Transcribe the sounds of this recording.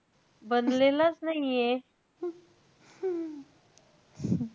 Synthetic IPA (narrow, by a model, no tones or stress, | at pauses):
bənd̪lelasnaɦie